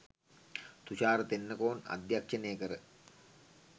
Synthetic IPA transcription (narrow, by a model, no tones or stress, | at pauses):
t̪uʃaːɾət̪enːəkoːna̰d̪jakʂənejəkəɾə